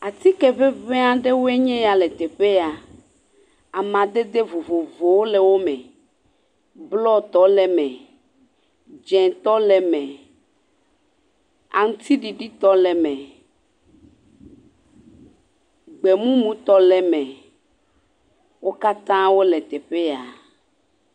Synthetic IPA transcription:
a˨t̪i˦kɛ˨ɸe˦ve˦a˦ɖe˦wo˦e˦ɲɛ̃˦ja˨lɛ˨t̪ɛ˨ɸe˦a˨ | a˨mã˨d̪e˦d̪e˦vo˨vo˨vo˨wo˦lɛ˨wo˦mɛ̃˨ | blɔ˦t̪ɔ˨˦lɛ˨mɛ̃˨ | d͡ʒɛ̃˨t̪ɔ˦lɛ˨mɛ̃˨ | a̰˨ŋũ˦t̪ʰi˦ɖi˨ɖi˦t̪ɔ˦lɛ˨mɛ̃˨ | ɡ͡be˨mũ˦mũ˨˦t̪ɔ˦lɛ˨mɛ̃˨ | wo˦ka˦t̪ã˦wo˦lɛ˨t̪ɛ˨ɸe˦a˨

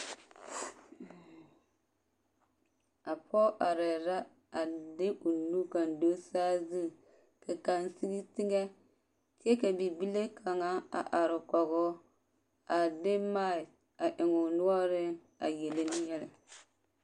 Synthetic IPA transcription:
a˨pʰɔ˦ʔa˨ɾɛ˨ɾa˦ | a˨dɪ˦ʔu˨nu˦ka˨ndo˦saː˦zɨ˦˨ | ka˨ka˨nsi˦ɡi˦tɪ˦ŋɛ˦ | ke˦ka˨bi˨bi˦le˦kʰa˨ŋa˦a̰˨ʔa˨ɾɪ˨kɔ˨ɡʊ˦ | a˨dɪ˦ma˦˨ɪ˨ | a˨ʔɪ˨ŋʊ˨nʊ˦ɔ˦ɾɪ˦ | a̰˨je˨le˦nɪ˦jɛ˦lɪ˨

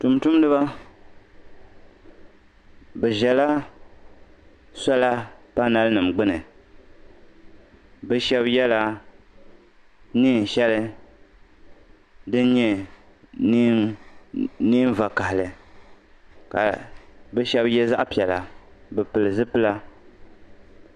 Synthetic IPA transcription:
tu˨mtu˦m˦dɨ˦ba˦ | bɛ˨ʒɛ˨la˦ | sa˦la˦pa˦na˦lnɨ˨mɡ͡bɨ˦nɨ˨ | bɛ˦ʃɛ˦bjɛ˦la˦ | niː˦˨n˨ʃɛ˦lɨ˦ | dɨ˦n˦ɲɛ˦ | niː˦m˦va˨ka˨hɪ˨lɨ˨ | ka̰˨bɛ˦ʃɛ˦bjɛ˦za˦ʔpi˨ɛ˨la˨bɛ˨pɨ˨lɨ˨zɨ˦pɨ˦la˦

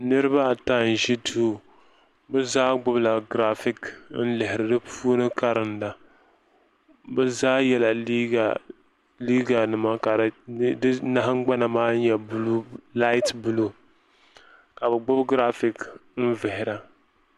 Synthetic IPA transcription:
nɨ˦ɾɨ˦ba˦˨ta˦n˨ʒi˦tu˦ | bɛ˦zaː˦ɡ͡bʊ˦bla˨ɡɾa˦fɪ˦kn̩˦lɪ˨ɦɪ˨ɾɨ˨dɨ˦pʰu˦nɨ˦ka˦ɾɨ˨nda˨ | bɛ˦zaː˦jɛ˦˨la˨i˦˨ | liː˦ɡa˨nɨ˨ma˦ka˨˦dɨ˦na˦ɦɨ˦ŋ͡mɡ͡ba˦na˨maː˦n˦ɲjɛ˨blu˦la˦ɪ˦tbu˦lo˦ | ka˨bɛ˨ɡ͡bʊ˦bɡɾa˦fɪ˦˨kn̩˦vɪ˨hɪ˨ɾa˨

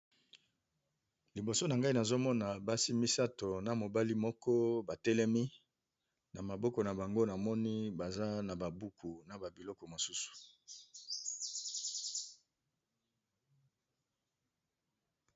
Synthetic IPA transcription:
li˨bo˨so˦na˨ŋɡa˦i˦na˨zo˦mɔ˦na˨ba˦si˦mi˦sa˦to˨na˨mo˨ba˦li˦mɔ˦kɔ˦ba˨tɛ˦lɛ˦mi˦ | na˨ma˨bɔ˦kɔ˨na˨ba˨ŋɡo˦na˨mɔ˦ni˦ba˨za˦na˨ba˨bu˦ku˨na˨ba˨bi˨lɔ˦kɔ˨mo˨su˦su̥˨

